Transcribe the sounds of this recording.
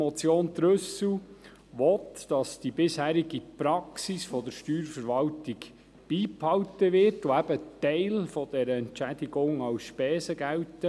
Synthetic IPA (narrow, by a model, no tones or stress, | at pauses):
mɔt͡sjoːnd̪ɾɵsw | ʋɔt̪d̥ɑsd̥ibɪshæːɾiɡipɾɑksisfɔd̪əɾʃtyːɾfəɾʋɑwtiɡ | b̥iːphɑwtəʋɪɾtuæb̥ətɛɪlfɔd̥ɛɾəɛntt͡ʃæd̥̪iɡʊŋɑwsʃpɛːsəɡæwtə